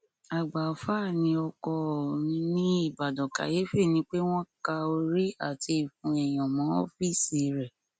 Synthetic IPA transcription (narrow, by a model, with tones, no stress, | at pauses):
a˨ɡ͡ba˨fa˦˨nĩ˧˦ɔ˧kɔ˧˨nĩ˧˦nĩ˦i˦˨ba˨dɔ̃˨ka̰˨je˦fe˦˨nĩ˧˦k͡pe˦w̃ɔ̃˦ka˧o˧ɾi˦a̰˦˨tʰi˧i˨fũ˧˦ɛ˨j̃ã˨mã˨˦o̰˦fi˦˨si˨ɾɛ˨